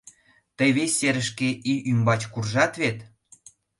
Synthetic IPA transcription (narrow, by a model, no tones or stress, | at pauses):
t̪əjβesʲːeɾə̆ʃkeʔiʔymbɑt͡ɕkurʒɑt̪βet̪